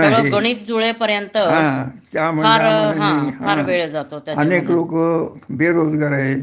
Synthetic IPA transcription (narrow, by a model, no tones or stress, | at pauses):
oɭəɡəɽ̃iːp̪̚d͡zuɭepəɾjənt̪əɦãt̪jam̤uaɾɦãɦʰaɾʋeɭd͡zat̪ot̪jaəneklokəbeɾod̪ɡaɾaɦe